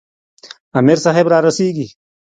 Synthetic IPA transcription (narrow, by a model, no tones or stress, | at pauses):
ɐmeɾsaɦebɾaːɾɐsiːɡi